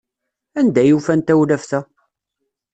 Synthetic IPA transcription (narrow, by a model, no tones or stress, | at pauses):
ænd̪æjufænt̪æwlæfθæ